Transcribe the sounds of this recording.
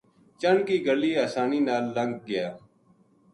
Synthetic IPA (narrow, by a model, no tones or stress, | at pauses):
t͡ʃəɳkiːɡəlːiːaːsaːniːnaːlːəŋɡ̚ɡɪjaː